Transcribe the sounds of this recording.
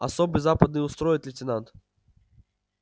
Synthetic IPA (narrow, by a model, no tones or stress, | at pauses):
ɐsobɨjzapəd̪nɨjʊst̪ɾojɪt̪lʲɪtʲɪnant̪